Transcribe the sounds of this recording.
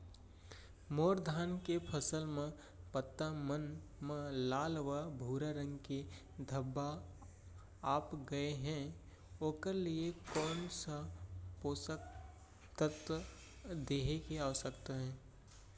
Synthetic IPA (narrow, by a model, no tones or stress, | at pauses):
moːɾd̪ʱaːnkepʰəsəlmẽ | pət̪ːamənmẽlaːlʋabʱuːɾaɾə̃ŋɡke | d̪ʱəbːa | aːpɡɐeɦɛ̃ː | oːkəɾliekɔːnsapoːsək̚ | t̪ət̪ə | d̪eːɦekeaːʋsəkt̪aɦɛ̃ː